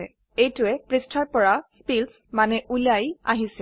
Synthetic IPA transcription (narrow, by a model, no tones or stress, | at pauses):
ɛ | ejtʊɛpɹistʰaɹpɔɹaspils | manɛʔuliaja̰ɦisɛ